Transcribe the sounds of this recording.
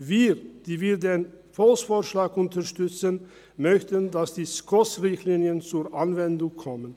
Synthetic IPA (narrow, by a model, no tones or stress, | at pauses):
viːd̥iːviːɐdeːn | fɔlsfoːɐʃlaːkʔʊntɐʁʃtʏt͡sən | mœçtəndasd̥iːskʰɔsʁɪçtliːniənt͡suːɐʔanvɛndʊŋkʰɔmən